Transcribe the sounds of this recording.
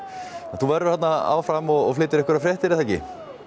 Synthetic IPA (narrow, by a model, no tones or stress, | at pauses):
aθuvɛɾðʏɾ̥hat̪naa̰ːwfɾamɔɣɔflɪːt̪ɪɾɛhkvʏɾafɾɛht̪ɪɾɪθaːjcɪ̰